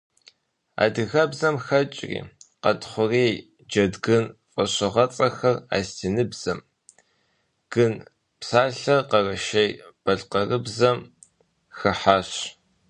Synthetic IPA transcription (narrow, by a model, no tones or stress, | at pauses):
a̰ːdɨɣɐbzɐmxɐt͡ʃʼrḭːqɐ̰tχʷʊreː | d͡ʒɐdɡɨnfʼɐɕɪʁɐt͡sʼɐxɐra̰ːstʰinɨbz̥ɐm | ɡ̥ɨn | psaːɬɐqɐrɐʃejb̥ɐɮqɐrɨbzɐm | xɨħaːɕ